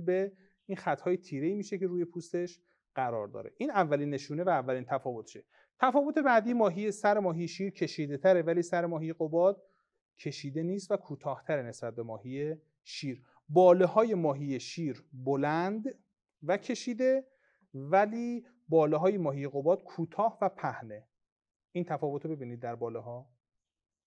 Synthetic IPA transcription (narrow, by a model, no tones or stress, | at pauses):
be | iːnxæt̪hɒːje̞t̪ʰiːɾe̞iːmiːʃe̞ce̞ɾuːje̞pʰuːst̪e̞ʃ | ɢ̥æɾɒ̰ːɾd̪ɒ̰ːɾḛʔiːnævːæliːnːe̞ʃuːnevæːvːæliːnt̪ʰæfɒːvo̞t̪ʰt͡ʃʰe | t̪ʰæfɒːvo̞t̪ʰe̞bæd̪iːmɒːɦijesæɾemɒːɦijeʃiːɾcʰe̞ʃiːd̪e̞t̪ʰæɾe̞væliːsæɾemɒːɦijeɣobɒːd̪̥̚ | cʰe̞ʃiːd̪e̞niːst̪vækʰuːt̪ʰɒːht̪ʰæɾene̞sbæt̪̚be̞mɒːhije | ʃiːɾ | bɒːlehɒːje̞mɒːɦije̞ʃiːɾbolænd̪ | væcʰe̞ʃiːd̪e̞ | væliː | bɒːleɦɒːjemɒːɦijeɣobɒːd̪̥kʰuːt̪ʰɒːhvæpʰæhne̞ | iːnt̪ʰæfɒːvo̞t̪ʰobe̞biːniːd̪̚ːæɾbɒːleɦɒː